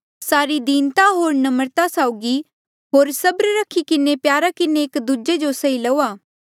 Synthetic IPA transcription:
saːɾid̪iːnt̪aɦoːɾnɐməɾt̪asaːʊɡi | ɦoːɾsɐbɾɾɐkʰikɪnepjaːɾakɪneːkd̪ud͡ʒed͡ʒosɐilɐoːaː

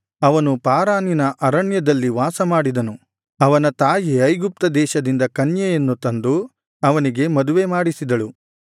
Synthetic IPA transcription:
ɐʋɐnupaːɾaːninɐʔɐɾɐɳjɐd̪ɐlːiʋaːsɐmaːɽid̪ɐnu | ɐʋɐnɐt̪aːjiɐjɡup̚t̪ɐd̪ɛːʃɐd̪ind̪ɐkɐnjɐjɐnːut̪ɐnd̪u | ɐʋɐniɡe̞mɐd̪uʋe̞maːɽisid̪ɐɭu

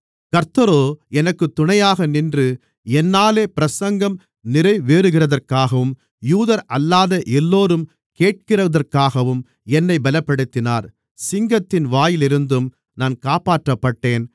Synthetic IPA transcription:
kɐɾt̪ɐɾoːɛnɐkːɯt̪ːʊɳɐjaːɣɐnɪndrɯ | ɛnːaːleːpɪɾɐsɐŋɡɐm | nɪɾɐɪʋeːɾɯɣɪrɐðɐrkaːɣɐʋɯm | juːðɐɾʔɐlːaːðɐʔɛlːoːɾɯm | keːʈ̚kɪrɐðɐrkaːɣɐʋɯm | ɛnːɐɪbɐlɐpːɐɽɯt̪ːɪnaːɾ | sɪŋɡɐt̪ːɪnʋaːjɪlɪɾɯnd̪ɯm | naːnkaːpaːʈrɐpːɐʈːeːn

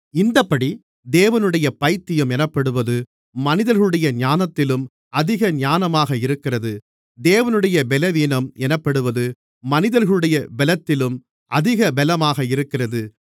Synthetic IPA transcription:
ɪnd̪ɐpːɐɽi | d̪eːʋɐnɯɽɐjɐpɐɪt̪ːɪjɯmɛnɐpːɐɽɯʋɐðɯ | mɐnɪðɐɾɣɐɭɯɽɐjɐɲaːnɐt̪ːɪlɯm | ɐðɪɣɐɲaːnɐmaːɣɐɪɾɯkːɪrɐðɯ | d̪eːʋɐnɯɽɐjɐbɛlɐʋiːnɐmɛnɐpːɐɽɯʋɐðɯː | ɐnɪðɐɾɣɐɭɯɽɐjɐbɛlɐt̪ːɪlɯm | ʔɐðɪɣɐbɛlɐmaːɣɐɪɾɯkːɪrɐðɯ

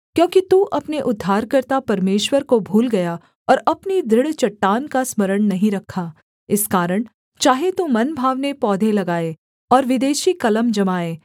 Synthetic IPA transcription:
kjõːkit̪uʔɐpneʔʊd̪ʱːaːɾkɐɾt̪apɐɾmeːʃwəɾkobʱuːlɡɐja | ɔːɾɐpnid̪ɾɪɽt͡ʃɐʈːaːnkasmɐɾəɽ̃nɐɦĩɾɐkʰːaː | ɪskaːɾəɽ̃ | t͡ʃaːɦet̪umɐnbʱaːʋnepɔːd̪ʱelɐɡaːeː | ɔːɾʋɪd̪eːʃikɐləmd͡ʒɐmaːeː

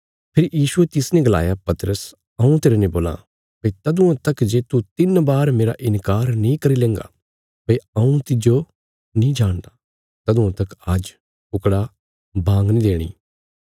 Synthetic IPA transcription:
pʰɪɾjiːʃuet̪ɪsnɛ̃ɡɐla̰ːjapɐt̪ɾəs | ɐũt̪eːɾenẽboːla̰ | pɐit̪ɐd̪ũãt̪ɐkd͡ʒeːt̪ut̪ɪnbaːɾmeːɾaʔɪnkaːɾnĩkɐɾilẽːŋɡa̰ | pɐiɐũt̪ɪd͡ʒo | nĩd͡ʒaːɽ̃d̪a | t̪ɐd̪ũãt̪ɐkad͡ʒ | pʊkɽa | bʱãːŋɡnĩd̪eːɽ̃ḭː

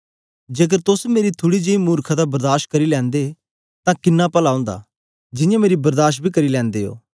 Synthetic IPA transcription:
d͡ʒeːk̬əɾt̪ʊsmeːɾit̪ʰʊɽid͡ʒeimuːɾkʰad̪abɐɾd̪aːɾʃkɐɾilɛ̃ːnd̪e | t̪ãkɪnːapəlaõːnd̪a̰ː | d͡ʒɪ̃jãmeːɾibɐɾd̪aːʃbʱikɐɾilɛ̃ːnd̪eːo̰ː

